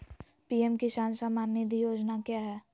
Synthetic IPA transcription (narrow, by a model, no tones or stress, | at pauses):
piɛmkiʃaːnsamaːnːid̪ʱijoːd͡ʒnakjaːɦɛː